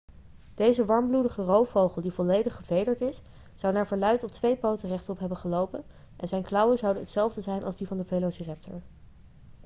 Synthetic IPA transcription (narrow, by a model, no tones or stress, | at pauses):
d̥ejzəʋɑɹmbludəχərowfowχəlˠdivɔlejdəχːəvejdəɹtɪsː | ɑwnaːɹvəɹlœɥtɔp̚tʋejpowtərɛχtɔpɦɛbənχəlowpən | ʔɛnzɛjnklɑwəzɑwdənətsɛlˠvdəzɛjnʔɑ̰lzdivɑndəvelosirɛp̚tʰə̰ɹ